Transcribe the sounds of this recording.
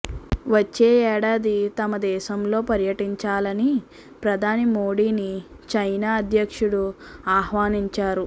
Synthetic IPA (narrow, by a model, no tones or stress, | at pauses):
ʋɐt͡ʃːeːɛːɽaːd̪it̪ɐmɐd̪ɛːʃɐmlo̞ːpɐɾjɐʈiɲt͡ʃaːlɐni | pɾɐd̪ʱaːnimo̞ːɽiːni | t͡ʃɐjnaːɐd̪ʱjɐkʂuɽu | aːhʋaːniɲt͡ʃaːɾu